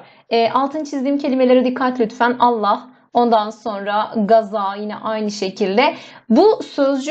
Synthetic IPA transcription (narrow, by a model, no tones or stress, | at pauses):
ɛːʔalˠt̪ʰɯnt͡ʃʰizd̪iːmcʰe̞lʲime̞lʲeɾɛd̪ikʰːat̪lʲyt̪fænalˠːah | o̞nd̪anso̞nɾaɡazaːjinɛ̰ʔajnɯʃe̞cʰilʲd̪ɛbusø̞zd͡ʒ